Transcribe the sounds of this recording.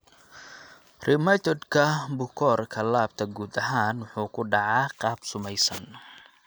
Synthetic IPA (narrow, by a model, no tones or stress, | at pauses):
rɪmɐt̪ɔd̪kʰɐbʊkʰɔːrkʰɐlaːb̚t̪ʰɐɡuːd̪ɐɦaːnwʊħuːkʰʊɖɑʕɑːqɑːb̥sʊmɛjsɐn